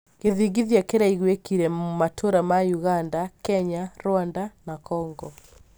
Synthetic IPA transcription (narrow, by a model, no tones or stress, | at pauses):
ɣeðiɣiðjakeɾaiɣwekiɾɛmatʰoɾamajuɣandakɛɲaɾwandanakɔŋɡɔ